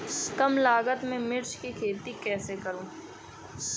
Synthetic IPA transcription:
skəmlaːɡət̪mẽmɪɾt͡ʃkikʰeːt̪ikɛːsekɐɾũː

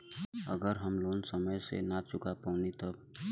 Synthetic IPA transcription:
ə̰ɡəɾɦəmloːnsəməjsḛnat͡ʃʊkapəʊnit̪ɔ

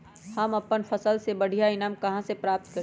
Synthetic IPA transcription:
hɐmɐpːənfʰɐsəlsebɐɽ̤ʱijaɪnaːmkɐɦãsepɾaːp̚t̪̚kɐɾ

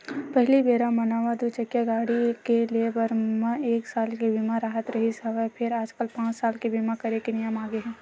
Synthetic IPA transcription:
pɛɦɪlibeːɾamɐnaːʋad̪ut͡ʃɐkjaɡaːɽikeliebɐɾmãeːksaːlkebimaɾaːɦət̪ɾɐɦisɐʋapʰɪɾaːd͡ʒkəlpãːt͡ʃsaːlkebiːmakɐɾekenɪjəmaːɡeɦɛ̃ː

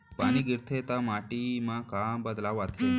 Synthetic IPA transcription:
pañiɡiɾt̪ʰet̪amaʈimãkambəd̪laʋat̪ʰe

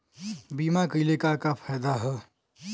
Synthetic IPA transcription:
biːmakəɪlekakapʰaːd̪aɦɛ

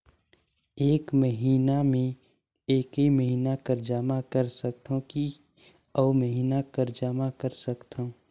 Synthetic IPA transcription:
eːkməɦiːnamẽ | eːkiməɦiːnakəɾd͡ʒaːmakəɾsək̚t̪õki | ɔːməɦiːnakəɾd͡ʒaːmakəɾsəkt̪ʰaõ

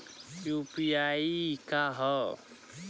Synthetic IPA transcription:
juːpiaːikaɦɔ

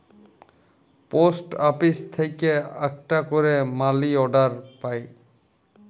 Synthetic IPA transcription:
posʈapist̪ʰejkea̰k̚ʈakoɾemaliɔɖaɾpaj

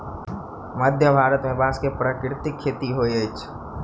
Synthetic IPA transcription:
məd̪ʱjəbʱaːɾət̪mẽbaːskepɾaːkɾɪt̪ɪkʰːeːt̪iɦoiet͡ʃʰ

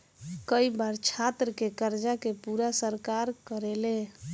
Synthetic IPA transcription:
kəibaɾt͡ʃʰat̪ɾəkekəɾd͡ʒakepuɾasəɾkaɾkəɾele

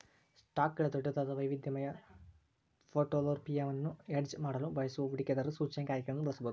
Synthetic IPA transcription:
sʈaːkːɐɭɐt̪oʈːɐt̪ɐd̪ɐʋɐjʋid̪jɐmɐjɐ | fʰoːʈoloɾpijɐʋɐnːueɖd͡ʒmaːɽɐlubɐjɐsuɐʋiɽikʲːed̪ɐɾusuːt͡ʃɐnɐkaːɾjɐkːɾɐmnnːubɐɭɐsubɐd̪u

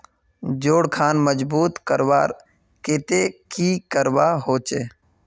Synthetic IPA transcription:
d͡ʒoːɽkʰaːnməd͡ʒbuːt̪kəɾʋaːɾ | keːt̪eːkiːkəɾʋaːɦoːt͡ʃeː

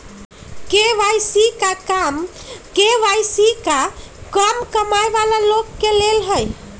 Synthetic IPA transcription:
keʋajsikakam | keʋajsikakəmkəmajbalalokːelelɦəj

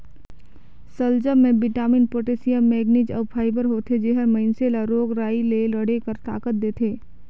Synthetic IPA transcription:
səld͡ʒəmːẽbɪʈaːmɪnpoːʈeːsijəmːɛːɡnid͡ʒəːʋpʰaːɪbəɾɦoːt̪ʰed͡ʒeːɦəɾmɐ̃ɪnselaɾoːɡɾaːileləɽekəɾt̪a̰ːkət̪̚d̪eːt̪ʰeː

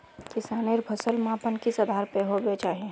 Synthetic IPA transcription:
kɪsaːneɾbʰʱɐsəlmãːpənkisɐd̪ʱaːɾpeɦobet͡ʃaːɦiẽ

